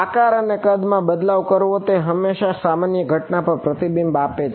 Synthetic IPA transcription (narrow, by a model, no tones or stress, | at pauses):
akaɾənekəd̪mãbəd̪laʋkəɾʋõt̪eɦəmːeʃasamanjəɡʱəʈnapəɾpɾət̪ibimbapet͡ʃʰ